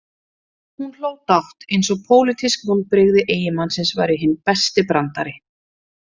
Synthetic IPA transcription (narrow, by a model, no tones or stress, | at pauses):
hunl̥oːwt̪awht̪ejnsɔɣpʰoːwlɪt̪ʰiskmɔn̚pɾɪɣðɪʔeːjɪmansɪnsva̰jɾɪɦɪnːpɛst̪ɪpɾant̪aɾɪ